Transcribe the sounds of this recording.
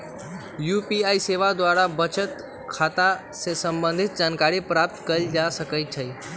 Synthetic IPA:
juːpiaiseʋad̪ʋaɾabət͡ʃət̪ | kʰat̪ã | sesə̃mbə̃nd̪ʱɪt̪̚d͡ʒankaɾipɾap̚t̪kəɾid͡ʒasəkəjt͡ʃʰəi

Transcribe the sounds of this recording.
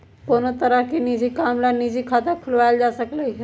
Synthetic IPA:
konot̪əɾakinid͡ʑʱikamlanid͡ʑʱiːkʰat̪akʰulʋajld͡ʒasəkləjɦ

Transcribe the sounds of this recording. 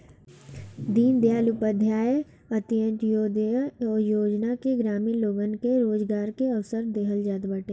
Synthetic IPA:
d̪iːnd̪jaːlʊpəd̪ʱjaːjə | ɐt̪jə̃nʈjoːd̪ɔːjoːd͡ʒnakiɡɾaːmiːloːɡənkeɾoːd͡ʒɡaːɾkeɐʋsəɾd̪eːɦəld͡ʒaːd̪bəʈẽː

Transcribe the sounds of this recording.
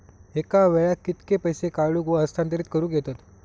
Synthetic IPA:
ekaʋɛɭakːit̪kepəjsekaɭuːkʋəəst̪ʰant̪əɾiːt̪kəɾũːɡʱet̪at̪

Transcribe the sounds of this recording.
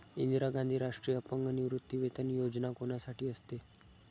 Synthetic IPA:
ind̪ɾaɡãnd̪ʱiːɾaʂʈɾijəpəŋɡəniʋɾut̪ːiʋet̪ənijod͡ʑnakoɳasaʈiːəst̪e

